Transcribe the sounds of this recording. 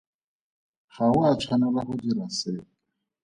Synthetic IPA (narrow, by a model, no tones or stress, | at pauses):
χaʊat͡ʃʰwanʊlaχʊdiraseː